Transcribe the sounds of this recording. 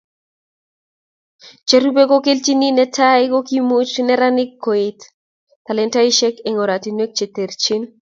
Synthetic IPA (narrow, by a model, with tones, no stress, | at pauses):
t͡ʃe˦ɾu˦be˦ko˦ke˦lt͡ʃi˦ni˦nɛ˦tʰa˦ɪ˦ko˦ki˦mo˦t͡ʃnɛ˦ɾa˦nɪ˦kːo˨e˨t | ta˨lɛ˦nta˦ɪ˦ʃɛ˦ke˨ŋɔ˨ɾa˨ti˨nwe˦k̚t͡ʃe˨t̪e˨ɾt͡ʃi˦n